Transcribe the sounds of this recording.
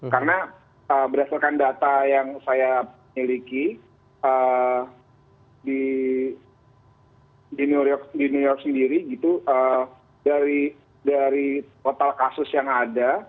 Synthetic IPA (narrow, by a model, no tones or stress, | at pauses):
kaɾəna | əbəɾasalkandat̪ajaŋsaja | miliki | ə | di | dinuɾjɔk̚dinujɔrk̚səndiɾiɡit̪uʔə | daɾi | daɾit̪ot̪alkasʊsjaŋada